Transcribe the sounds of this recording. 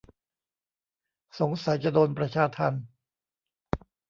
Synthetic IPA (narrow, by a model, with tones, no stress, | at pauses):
so˩˦ŋsa˩˦jt͡ɕa˧doː˧npɾa˧t͡ɕʰaː˧t̪ʰa˧n